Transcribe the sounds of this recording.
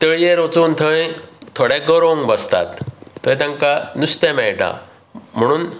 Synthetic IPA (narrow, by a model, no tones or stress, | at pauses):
t̪əɭjeɾot͡suːnt̪ʰəj̃t̪ʰoɽẽɡəɾõŋɡbəst̪a̰t̪ʰːəjt̪ãŋkanust̪ãmɛjʈã̰ | m̤əɽ̃uːn